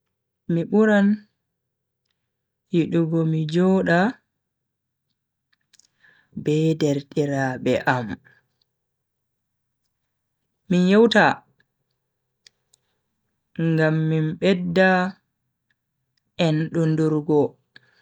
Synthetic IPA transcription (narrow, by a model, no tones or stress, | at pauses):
miɓuɾan | jiɗuɡɔmid͡ʒɔːɗa | bɛdɛɾtiɾabɛʔam | minjɔwta | ŋɡamːimɓɛdːa | ɛnɗɔnduɾɡɔ